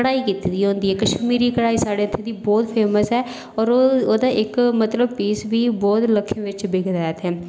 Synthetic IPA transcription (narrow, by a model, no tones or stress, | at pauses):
kəɽaːiːkiːt̪iːd̪iːɦõːnd̪iːɦɛːkəʃmiːɾiːkəɽaːiːsaːɽeːət̪ʰːẽːd̪iːbɔːt̪pʰɛːməsɛː | ɔːɾoːd̪aːʔɪkmət̪ləb̚piːsʋiːbɔːt̪ləkʰːẽːʋɪt͡ʃbeːɡəd̪aːjət̪ɦɛː